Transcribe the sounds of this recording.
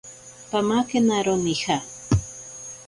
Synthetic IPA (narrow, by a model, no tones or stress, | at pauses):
pamakenaɾonixa